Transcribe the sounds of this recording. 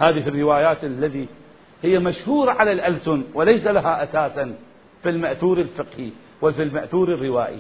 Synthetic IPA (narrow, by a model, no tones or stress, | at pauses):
haːðɪhɪrːɪwaːjaːt̪alːaðiː | hɪjːamaʃhuːɾˤɑʕalalʔalsʊnwalajsalahaʔasaːsan | filmaʔθuːɾɪlfɪqhi | wafilmaʔθuːɾɪrːɪwaːʔḭ